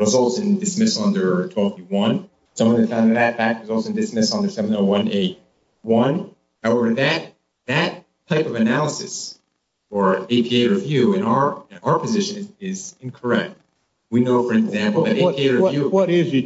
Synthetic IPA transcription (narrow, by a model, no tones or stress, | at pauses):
ʌzɔlˠsɨ̃dɨsmɪsʌ̃ndə˞tʰwɛlˠfiwʌ̃n | sʌ̃mwʌ̃nɨd̥fãʊ̃nðɨt̪̚ðɨtfæk̚t̚wʌzɔlˠsʊdɨsmɪsʌ̃ndə˞sɛṽnoʊwʌ̃neɪ | wʌ̃n | haʊɛvə˞ðɨt̪̚ | ðɨtʰː | aɪpʌvɨnælˠəsɨ̰s | ə˞eɪpʰieɪɾə˞ʌvjʉɨ̃naə˞aʊə˞pʰɨzɪʃɨ̃nɪzɪ̃nkʰə˞ɛk̚t̚ | winoʊfə̃˞ɡzæ̃mpl̩ˠðɨɾepʰieɪɾə˞ʌvjʉʌɾɪz